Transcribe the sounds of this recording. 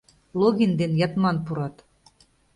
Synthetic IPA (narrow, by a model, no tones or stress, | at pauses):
lˠoɣʲind̪enjɑt̪mɑnpuɾɑt̪